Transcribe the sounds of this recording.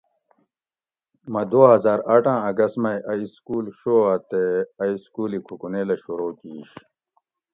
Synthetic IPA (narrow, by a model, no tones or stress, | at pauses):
mɐd̪oːɦɐzaːɾɐʈãːɐɡɐsmɐjʔɐiskuːlɕoːɐt̪eɐiskuːlikʰukuneːlɐɕuɾoːkiːɕ